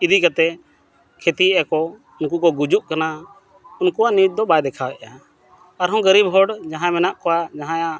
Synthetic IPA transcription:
id̪ikat̪ɛ | kʰet̪iɛʔakɔ | unkukɔɡud͡ʒuʔkana | unkuwanid͡ʒ̚d̪ɔbajd̪ɛkʰawɛʔja | aɾɦɔ̃ɡəɾibɦɔɽd͡ʒãɦãmɛnaʔkɔwad͡ʒaɦãja

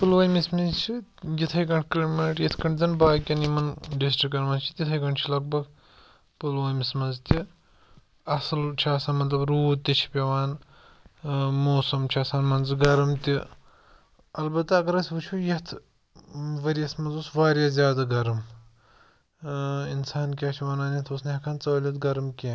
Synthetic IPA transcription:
pɨlʋɐːjmismizt͡ʃʰijit̪ʰɐjkɐɳʈʰklʲimɐʈjɐt̪ʰkɐɳʈzɐnbaːkʲɐnimɐnɖisʈɾikːɐnmɐnt͡ʃʰi̥t̪ʲit̪ʰɐjkɐɳʈt͡ʃʰilɐɡ̚bɐɡ | pɨlʋaːmismɐnzt̪ʲi | ɐsɨlt͡ʃʰaːsaːnmɐt̪lɐbɾuːt̪ʲːit͡ʃʰi̥pʲɐʋaːn | moːsɐmt͡ʃʰaːsaːnmɐnzɨɡɐɾɐmt̪i | ɐlbɐt̪ːaɐɡɐɾɐsʲʋɨt͡ʃʰujɐt̪ʰ | ʋɐɾiɐsmɐnzusʋaːɾʲjaːzʲjaːd̪aɡɐɾɐm | insaːnk̬ʲaːt͡ʃʰiʋɐnaːnjɐt̪ʰosnɐɐkʰaːnt͡sɐːlʲit̪ɡɐɾɐmkʲeː

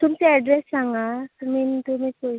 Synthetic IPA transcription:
t̪umseɛɖɾesːãŋɡamint̪um̤ikoi

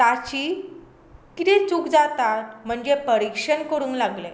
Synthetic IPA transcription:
t̪at͡ɕiː | kit̪ẽt͡sukd͡zat̪at̪̚m̤əɳd͡ʑepəɾikʂənkəɾũːnlaɡle

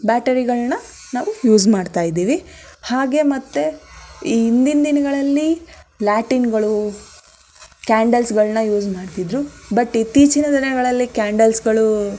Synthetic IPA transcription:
baːʈɐɾiɡɐɭnɐ | naːʋujuːzmaːɖt̪aːjid̪iːʋihaːɡe̞mɐt̪ːeiːnd̪ind̪inɐɡɐɭɐlːilaːʈinɡɐɭu | kaːɳɖɐlsɡɐɭɐnɐjuːd͡ʒmaːɽt̪id̪ɾubɐʈːit̪it͡ʃinɐd̪inɐɡɐɭɐlːikaːɳɖɐlsɡɐɭu

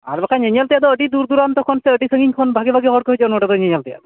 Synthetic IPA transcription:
a̰ɾbakʰaɲəɲalt̪ijad̪ɔəʈid̪uɾd̪uɾamt̪ɔkʰɔnseəʈisəŋɡiɲkʰɔnbʱaɡibʱaɡiɦɔɽkɔɦɔjd͡ʒɔɔnəʈad̪ɔɲeɲalt̪ija̰t̪ɔ

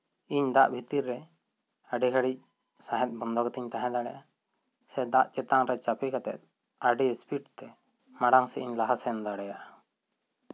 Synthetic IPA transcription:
iɲd̪aʔbʱit̪iɾːɛ | aɖɛɡaɽic̚ | saɦɛt̪̚bɔnd̪ʱɔɡɛt̪iɲt̪ãɦɛ̃d̪aɽɛʔa | sɛd̪aʔt͡ʃɛt̪aŋɾɛt͡ʃapɛkat̪ɛ̰t̪̚ | aɖispʰiʈt̪ɛ | maɽaŋsɛiɲlaɦasɛnd̪aɽɛjaʔa

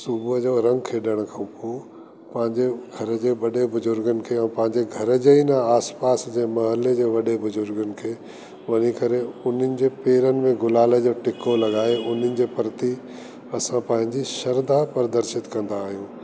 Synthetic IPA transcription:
subd͡ʑoːɾɐ̃ŋɡkʰeːɗəɽ̃kʰãpo | pɐ̃ɦɪ̃ɲd͡ʑeɡʱɐɾə̆d͡ʑeːʋɐɗebʊzʊɾɡənɪ̆kʰeːɛ̃ːpɐ̃ɦɪ̃ɲd͡ʑeɡʱɐɾə̆d͡ʑeinaaːspaːsd͡ʑeːmɐɦəled͡ʑeːʋɐɗebʊzʊɾɡənɪ̆kʰeː | ʋɐɲikɐɾeʊn̤ənɪ̆d͡ʑeːpeːɾənɪ̆mẽɡʊlaːled͡ʑoːʈɪkolɐɡaːeʊn̤ənɪ̆d͡ʑeːpɐɾt̪i | ɐsãpɐ̃ɦɪ̃ɲd͡ʑiʃɐɾd̪apɐɾd̪ɐɾʃɪt̪kɐ̃nd̪aːɦijũː

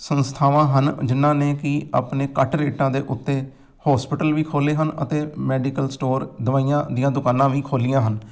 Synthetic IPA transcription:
sənst̪ʰaːʋãːɦənd͡ʒɪnːãːneːkɪa̰ːpneːkəʈɾeːʈãːd̪eːʔʊt̪ːeː | hɔːspɪʈəlʋiːkʰoːleːɦənə̰t̪eːmɛːɖiːkəlsʈoːɾd̪əʋaːijãːd̪ijãːd̪ʊkaːnːãːʋiːkʰoːlɪjãːɦən

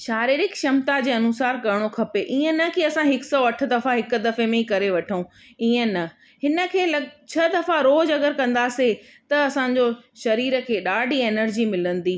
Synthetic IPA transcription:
ʃaːɾiːɾɪkʃɐmt̪ad͡ʑeːɐnuːsaːɾkɐɾɪɽ̃okʰɐpeʔiːə̃nɐkiɐsãɦɪksɔːɐʈʰə̆d̪ɐfaɦɪk̆d̪ɐfemẽikɐɾeʋɐʈʰəũ | iːə̃nɐ | ɦɪnə̆kʰeːlɐt͡ɕʰɐd̪ɐfaɾoːd͡ʑɐɡəɾkɐ̃nd̪aːse | t̪ɐɐsãːɲ̆d͡ʑoʃɐɾiːɾə̆kʰeːɗaːɖʱieːnəɾd͡ʑimɪlə̃nd̪iː

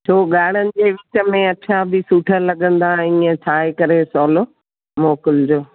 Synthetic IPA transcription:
t͡ɕʰoːɠaːɽ̤ənɪ̆d͡ʑeːʋɪt͡ɕə̆mẽɐt͡ɕʰabɪsuːʈʰəɾlɐɠə̃nd̪aĩːə̃t͡ɕʰaːekɐɾesɔːlo | moːkɪld͡ʑoː

